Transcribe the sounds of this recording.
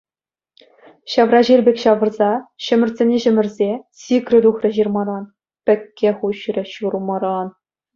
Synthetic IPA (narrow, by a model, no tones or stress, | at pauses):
ɕɑʋrɑʑilʲbʲekʲɕɑʋɤ̆rzɑɕɘ̆mʲɘ̆rʲzʲenʲeʑɘ̆mʲɘ̆rʲzʲesʲikrʲɘ̆d̪uxrʲɘ̆ʑirmɑɾɑn | pʲɘ̆kʲːeχuɕrʲɘ̆ɕuɾumɑɾɑn